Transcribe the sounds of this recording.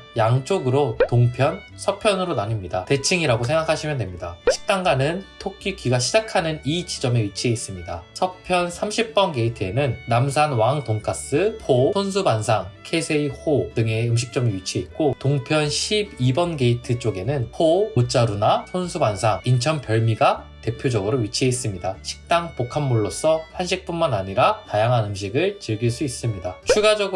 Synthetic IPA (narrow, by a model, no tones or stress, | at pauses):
jaŋt͡ɕ͈oɡɯɾotoŋpʰjʌn | sʰʌpʰjʌnɯɾonaɲimɲidate̞t͡ɕʰiŋiɾaɡosʰe̞ŋɡakʰaɕʰimjʌndwemɲidaɕʰi̥k̚t͈aŋɡanɯntʰok͈ʰikiɡaɕʰid͡ʑakʰanɯnid͡ʑid͡ʑʌme̞ɥit͡ɕʰieis͈ɯmɲidasʰʌpʰjʌnsʰamɕʰip̚p͈ʌnɡe̞itʰɯe̞nɯnːams̬ʰanwaŋtoŋkʰas͈ɯpʰosʰonsʰubansʰaŋkʰe̞sʰeihodɯŋe̞ɯmɕ̬ʰi̥k̚t͡ɕ͈ʌmiɥit͡ɕʰiet̚k͈otoŋpʰjʌnɕʰibibʌnɡe̞itʰɯt͡ɕ͈oɡe̞nɯnɸʰoot͡ɕ͈aɾunasʰonsʰubansʰaŋint͡ɕʰʌnpjʌɭmiɡa | te̞pʰjod͡ʑʌɡɯɾoɥit͡ɕʰies͈ɯmɲidaɕʰi̥k̚t͈aŋpokʰamːuɭːos͈ʌɸanɕʰik̚p͈unmanaɲiɾatajaŋɦanɯmɕ̬ʰiɡɯɭt͡ɕɯɭɡiɭs͈uis͈ɯmɲidat͡ɕʰuɡad͡ʑʌɡɯ